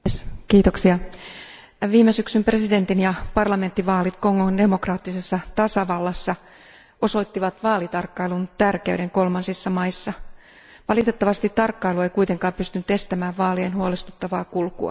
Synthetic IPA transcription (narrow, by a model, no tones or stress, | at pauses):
skiːt̪oksiɑ | ʋiːmesyksympre̞side̞nt̪injɑpɑrlɑment̪ːiʋɑːlit̪koŋonde̞mo̞krɑːt̪ːisesːɑt̪ɑsɑʋɑlːɑsːɑ | o̞so̞it̪ːiʋɑt̪ʋɑːlit̪ɑrkːɑilunt̪ærkeyɾe̞ŋkolmɑnsisːɑmɑisːɑ | ʋɑlit̪e̞t̪ːɑʋɑst̪it̪ːɑrkːɑiluejkuit̪eŋkɑːmpyst̪ynyt̪e̞st̪æmæːʋʋɑːlienhuolest̪ut̪ːɑʋɑːkulkṵɑ̰